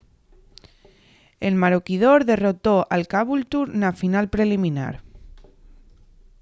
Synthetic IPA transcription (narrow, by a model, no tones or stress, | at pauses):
elmaɾokið̞oɾðerot̪oʔalkaβult̪uɾnafinalpɾelimĩna̰ɾ